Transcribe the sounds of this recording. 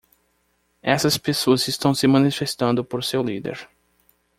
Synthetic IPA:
ɛsɐspesoɐzɪst̪ɐ̃w̃sɪmɐ̃nifest̪ɐ̃nd̪ʊpoɾsewlid̪ḛɾ

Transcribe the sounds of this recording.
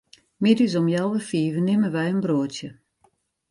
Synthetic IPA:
mɪdys̬ɔmjalˠʋəfiːvənɪmənʋɛjənbroːətjə

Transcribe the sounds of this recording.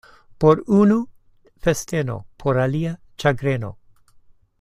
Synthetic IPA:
poɾunu | fest̪eno̰pʰoɾalia | t͡ʃaɡɾeno̰

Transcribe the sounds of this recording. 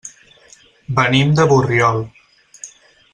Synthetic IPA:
bənimd̪əβurjɔl

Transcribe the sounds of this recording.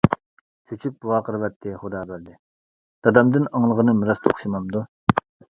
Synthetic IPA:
t͡ʃʰyt͡ʃʰyp̚buwɑːqʰəɾvɛt̪ʰːɪχod̪ɑːbæɾd̪ɪ | d̪̥ɑd̪ɑmd̪ɨnɑŋlˠəʁənɨmɨɾɑst̪ʰo̰χʃimɑmd̪u

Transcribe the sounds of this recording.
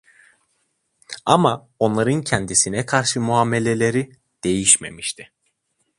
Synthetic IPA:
ama | o̞nlˠaɾɯncʰɛnd̪isinɛkʰaɾʃɯmuɦaːme̞lʲe̞lʲe̞ɾi | d̪̥e̞jiʃme̞̰miʃt̪ʰɪ̥

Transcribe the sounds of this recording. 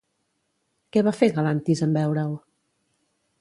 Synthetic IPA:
kɛβafeɣəlant̪izəmbɛwɾəw

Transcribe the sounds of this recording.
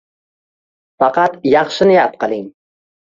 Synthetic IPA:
fɑqʰɑt̪jɑχʃɪnɪjap̪̚qɨlˠɪŋ

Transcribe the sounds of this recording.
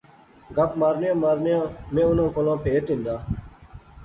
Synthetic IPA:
ɡəpmaːɾnɪjãːmaːɾnjãːmẽːʊnãːkolãːpeːt̪ĩnd̪aː

